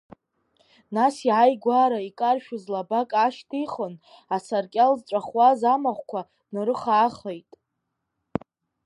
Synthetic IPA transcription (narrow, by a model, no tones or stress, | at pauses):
nasiʕajɡʷaɾaikʼarʃᶣuzlabakʼaʃtʰiχon | asarkʲʼalzt͡ʃʷʼaχwazamaχʷkʷʰa | nɨɾɨχaːχejtʼ